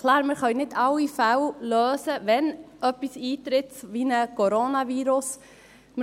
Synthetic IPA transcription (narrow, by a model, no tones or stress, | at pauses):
kʰlˠaːɾmɪɾχœɥnɪdʰɑwːifæwløːsəʋɛnʔœpːisiːt̪ɾɪtʋinəkʰɔɾonɑviːɾʊs | mɪ